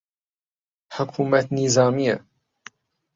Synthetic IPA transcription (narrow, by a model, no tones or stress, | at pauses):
ħʊkʰuːmat̪nizaːmɪjːa̰